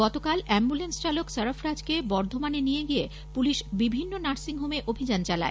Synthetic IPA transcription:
ɡɔt̪okalɛmbulenst͡ɕaloksəɾofɾad͡ʑkebɔɾd̪ʱomanenijeɡije | puliʃbibʱinːonaɾsiŋɦomeʔobʱid͡ʑant͡ɕala̰e

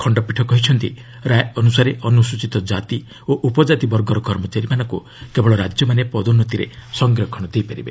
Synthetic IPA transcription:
kʰɔɳɖɔpiʈʰɔkɔɦit͡ʃʰɔnt̪ḭ | ɾajɔnusaɾeʔɔnusut͡ʃit̪ɔd͡ʒat̪i | oʔupɔd͡ʒat̪ibɔɾɡɔɾɔɡʱɔɾmɔt͡ʃaɾimanɔŋku | kebɔɭɔɾad͡ʒjɔmanepɔd̪unːɔt̪iɾḛsɔŋɡɾiɔkʰɔɽ̃ɔd̪ejpaɾḭbe

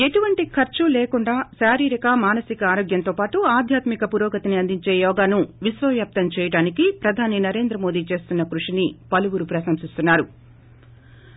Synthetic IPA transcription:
e̞ʈuʋɐɳʈikʰɐɾt͡ʃuleːkuɳɖaːʃaːɾiːɾikɐmaːnɐsikɐaːɾoːɡjɐnt̪oːpaːʈuaːd̪ʱjaːt̪mikɐpuɾɔːkɐt̪iniɐnd̪iɲt͡ʃe̞ːjɔːɡaːnuʋisʋɐʋjaːp̚t̪ɐmt͡ʃɛːjɐɽaːnikipɾɐd̪ʱaːninɐɾe̞ːnd̪ɾɐmo̞ːd̪iːt͡ʃe̞ːst̪unːɐkɾuʂinipɐluʋuɾupɾɐsɐmsist̪unːaːɾu

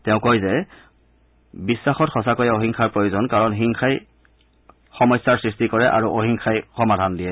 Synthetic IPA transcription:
tɛʊ̃kojzɛ | bisːaxɔtxɔsakojaoɦiŋkʰaɹpɹojuzɔnkaɹɔnɦiŋxʰaj | xɔmɔjsːaɹsɹistikɔɹɛʔa̰ɹuʔoɦiŋxʰajxɔmadʱandiɛ

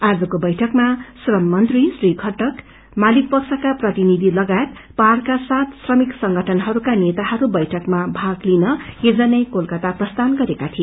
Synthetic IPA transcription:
ad͡zʌkobʌjʈʰʌkmasrʌmːʌnt̪risriɡʱʌʈʌk | malik̚pʌksʰʌkaprʌt̪inid̪ʱilʌɡaet̪̚ | parkasat̪srʌmiksʌŋɡʌʈʰʌnɦʌɾukanet̪ahʌɾubʌjʈʰʌkmabʱaɡlinʌed͡zʌnʌjkolkʌt̪aprʌst̪anɡʌɾekat̪ʰie

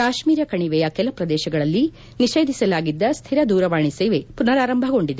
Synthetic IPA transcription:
kaːʃmiːɾɐkɐɳiʋɛjɐkɛlɐpɾɐd̪ɛːʃɐɡɐɭɐlːi | niʃeːd̪ʱisɐlaːɡid̪ːɐst̪ʰiɾɐd̪uːɾɐʋaːɳiseːʋepunɐɾaːɾɐmbʱɐɡo̞ɳɖid̪e

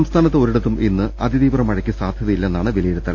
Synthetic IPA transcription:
ɐmst̪ʰaːnɐt̪ːeo̞ɾuɽɐt̪ːumʔinːɨʔɐd̪ʱid̪iːbrɐmɐɻɐkʲːisaːd̪ʱjɐðɐjilːenːaːɳɨʋilɐjiɾut̪ːɐl

